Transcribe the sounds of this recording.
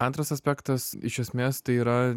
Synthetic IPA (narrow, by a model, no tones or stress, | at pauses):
ɐnt̪ɾɐsɐsʲpʲæːkt̪ɐsɪ̰ʃʲɛsʲmʲeːst̪ɐɪiːɾɐ